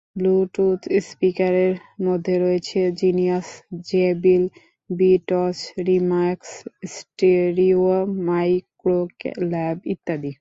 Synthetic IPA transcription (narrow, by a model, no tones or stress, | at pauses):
bluʈut̪ʰspikaɾeɾmod̪ʱːeɾoet͡ɕʰed͡ʑiniasd͡ʑebil | biʈɔsɾimaɾkssʈeɾiomajkɾoklɛbit̪ːad̪i